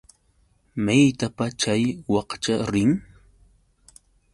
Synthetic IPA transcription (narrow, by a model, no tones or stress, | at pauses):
majt̪apat͡ʃajwɑqt͡ʃaɾɪŋ